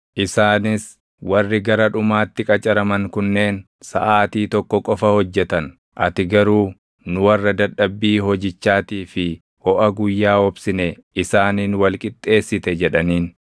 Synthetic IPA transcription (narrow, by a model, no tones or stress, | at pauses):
ʔɪsaːnɪs | wɐrːɪɡɐɾɐᶑʊmaːt̪ːɪkʼɐt͡ʃʼɐɾɐmɐŋkʊnːe̞ːn | sɐʔaːt̪iːt̪ɔkːɔkʼɔfɐhɔd͡ʒːɛt̪ɐn | ʔɐt̪ɪɡɐɾuː | nʊwɐrːɐd̪ɐɗɐbːiːɦɔd͡ʒɪt͡ʃːaːt̪iːfɪ | hɔʔɐɡʊjːaːɔbsɪnɛɪsaːniːnwɐlkʼɪt̪ʼːe̞ːsːɪt̪ɛd͡ʒɛᶑɐniːn